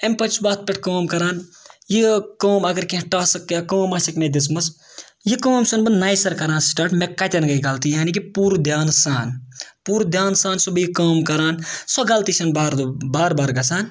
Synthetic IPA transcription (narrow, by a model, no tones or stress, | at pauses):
ɐmʲpɐt͡ʃʰbaːt̪̚ʰpʲeʈ̚ʰʲkoːmkɐɾaːnjikoːmɐɡɐɾkẽʈaːsɐkːakoːmaːsɐknɐd̪ismɐs | jikoːmsɐnbɐnnaːjsɐɾkɐɾaːnsʈaːʈmekɐt̪ʲɐnɡɐiɡɐlt̪ijaːnik̬ipuːɾud̪ʱjaːnsaːnpuːɾud̪ʱjaːnsaːnsɐbɨjikaːmkɐɾaːnsɔɡɐlt̪iːt͡ʃʰɐnbaːɾbaːɾbaːɾɡɐsaːn